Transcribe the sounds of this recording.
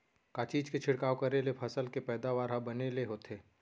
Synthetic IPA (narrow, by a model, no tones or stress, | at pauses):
kaːt͡ʃiːd͡ʒket͡ʃʰɪɽkaːokɐɾelepʰɐsəlkepɛːd̪aʋaːɾɦabɐneleɦoːt̪eː